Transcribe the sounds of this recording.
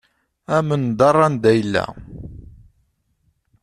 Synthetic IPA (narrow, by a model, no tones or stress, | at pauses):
æmənd̪ɑrˤːɑnd̪æjlːæ̰